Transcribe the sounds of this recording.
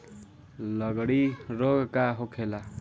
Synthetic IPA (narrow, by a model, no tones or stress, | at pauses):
lʌɡɽiɾoɡkaɦokʰela